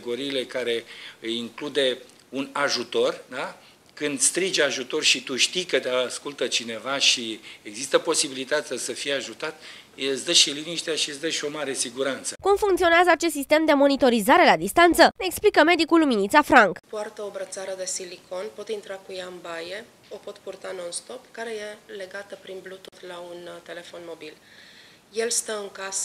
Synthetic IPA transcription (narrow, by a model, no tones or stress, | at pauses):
ɡo̞ɾiːle̞kaɾe̞ɨjiŋklud̪e̞ | unaʒut̪o̞rd̪a | kɨnd̪st̪ɾid͡ʒaʒut̪o̞rʃit̪uʃt̪ikət̪easkult̪ət͡ʃine̞vaʃieɡzist̪əpo̞sibilit̪at̪sʲasəfijeaʒut̪at̪ | sd̪əʃiliniʃt̪eaʃisd̪əʃio̞maɾe̞siɡuɾant̪səkumfuŋkt̪sio̞neazəat͡ʃe̞st̪sist̪e̞md̪e̞mo̞nit̪o̞ɾizaɾe̞lad̪ist̪ant̪səne̞ːksplikəme̞d̪ikulːuminit̪safɾaŋkpoart̪əobɾət̪saɾəd̪e̞silikʰo̞npo̞t̪int̪ɾakujaɨnbaje̞ | o̞po̞t̪purt̪anonst̪o̞pkaɾe̞je̞le̞ɡat̪əpɾinblut̪ut̪launt̪e̞le̞fo̞nmo̞bil | je̞lst̪əɨŋkasə